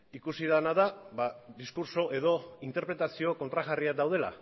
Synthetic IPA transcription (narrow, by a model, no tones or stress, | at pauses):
ikusiðanaðaβaðiskuɾso̞ʔe̞ðo̞int̪e̞ɾpɾe̞t̪asio̞ko̞nt̪ɾaɣariad̪awð̞e̞la̰